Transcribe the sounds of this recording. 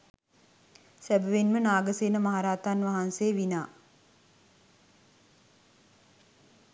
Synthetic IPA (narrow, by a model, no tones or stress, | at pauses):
sæbəʋenmənaːɡəseːnəmaɦaɾaːt̪anʋaɦanseːʋinaː